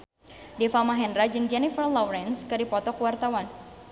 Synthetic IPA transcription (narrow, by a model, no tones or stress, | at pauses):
dɛfamaɦɛndɾad͡ʒɨŋd͡ʒɛnifərlɔwɾɛnskɨɾipɔt̪ɔkuwart̪awan